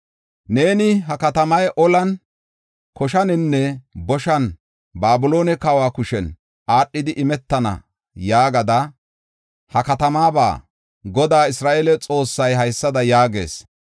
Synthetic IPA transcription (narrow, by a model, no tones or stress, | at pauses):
ne̞ːnɪɦɐkɐt̪ɐmɐjʔɔlɐn | kɔʃɐnɪnːɛbɔʃɐn | baːbʊlo̞ːnɛkɐwaːkʊʃɛn | aːɗːɪd̪ɪʔɪmɛt̪ːɐnɐ̰ | jaːɡɐd̪ɐ | hɐkɐt̪ɐmaːba̰ː | ɡɔd̪aːɪsɾaːʔelɛt͡sʼo̞ːsːɐjɦɐjsːɐd̪ɐjaːɡe̞̰ːs